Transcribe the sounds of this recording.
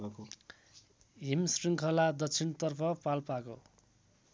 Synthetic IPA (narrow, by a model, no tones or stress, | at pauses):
ɦimsriŋkʰʌlad̪ʌsʰint̪ʌrpʰʌpalpako̰